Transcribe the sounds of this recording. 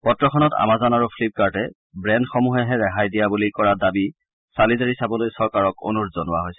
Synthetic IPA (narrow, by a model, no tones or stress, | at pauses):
pɔtːɹɔxʰɔnɔta̰mazanaɹupʰlip̚kaɹtɛ | bɹɛndxɔmuɦɛɦɛɹɛɦajdijabulikɔɹadabi | salizaɹisabɔlojsɔɹkaɹɔko̰nuɹzɔnʊwaɦojsɛ